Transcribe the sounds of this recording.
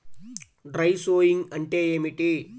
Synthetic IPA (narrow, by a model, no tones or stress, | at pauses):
ɖɾɐjsoːjiŋɡɐɳʈeːeːmiʈi